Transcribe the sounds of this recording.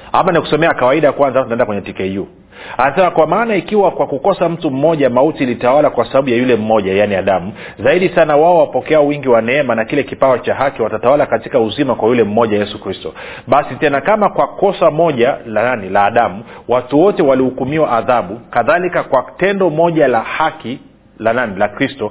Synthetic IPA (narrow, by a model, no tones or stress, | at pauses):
ha̰maniku̥sɔmɛakawaiɗajakwanzamtunaɛndakwɛɲɛtikɛju | anasɛmakwamaːnaikiwakwakukɔsam̩tum̩mɔʄamautilitawalakwasaɓaɓujajulɛm̩mɔʄajaniaɗamu | zaiɗisanawaɔwapɔkɛawiŋɡiwanɛɛmanakilɛkipaɔt͡ʃaɦakiwatatawalakatikauzimakwajulɛm̩mɔʄajɛsukɾistɔ | ɓasitɛnakamakwakɔsamɔʄalaanilaːɗamuwatuwɔtɛwalihukumiwaʔːðaɓukaðalikakwatɛndɔmɔʄalahaki | lananilakɾistɔ